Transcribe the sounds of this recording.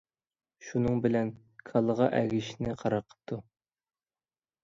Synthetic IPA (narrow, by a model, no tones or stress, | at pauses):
ʃunɨŋbɪlɛn | kʰɑlˠəʁɑʔæɡʲiʃnɪqʰɑɾɑqʰːə̥t̪ʰːu